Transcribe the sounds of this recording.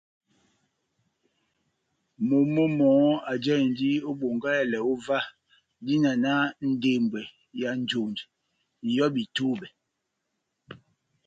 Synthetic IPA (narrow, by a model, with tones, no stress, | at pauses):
mo˨mo˦mɔː˨˦a˨d͡ʒɛ˦˨n˦di˦o˦ɓo˨ŋɡa˦ɛ˦lɛ˨o˦va˦ | di˦na˨na˦n̩˦de˨mbɛ˨ | ja˨n˨˦d͡ʒo˨nd | jɔ˦bi˨to˦bɛ˨